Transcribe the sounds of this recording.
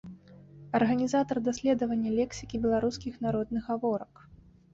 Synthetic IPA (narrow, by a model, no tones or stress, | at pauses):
ɐrɣɐnʲizat̪ɐrd̪asʲlʲɛd̪ɐvɐnʲːɐlʲɛksʲi̥kʲibʲɛlˠaɾuskʲixnaɾɔd̪nɨɣɣavɔɾɐk